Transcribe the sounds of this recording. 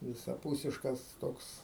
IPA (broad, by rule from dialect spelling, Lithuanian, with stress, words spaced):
ʋʲɪsɐˈpuːsʲɪʃkɐs ˈtoːks